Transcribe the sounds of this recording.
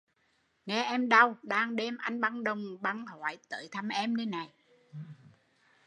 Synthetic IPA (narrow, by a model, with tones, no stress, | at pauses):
ŋɛ˧ʔɛ˧mɗə˧wɗaː˧ŋɗe˧mʔa˧jŋ̟ɓa˧˥ŋɗə˧wŋ͡mɓa˧nha̰ː˧˨jt̪ə̰ː˧˨jt̪ʰa˧mʔɛ˧mnəː˧˦jna˨˩j